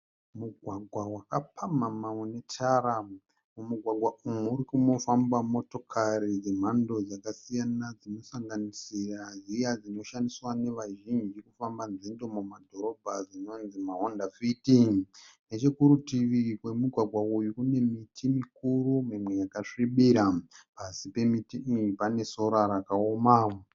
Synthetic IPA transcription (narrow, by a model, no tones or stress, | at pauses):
muɡʱwaɡʱwawakapʰamamaone̞tʰaɾa | mumuɡʱwaɡʱwaʔumuɾikumo̞fambamo̞to̞kʰaɾid͡zim̤ando̞d͡zakasijanad͡zino̞saŋɡanisirazijad͡zino̞ʃandiswane̞ʋaʒind͡ʒikufambanzindo̞mumadʱo̞ɾo̞bʱad͡zino̞nzimaɦondafitiŋne̞t͡ʃekuɾutiʋikwe̞muɡʱwaɡʱwaujukune̞mitʰimikuɾumimwe̞jakaʂiɓiɾapasipe̞mitipane̞so̞ɾaɾakaoma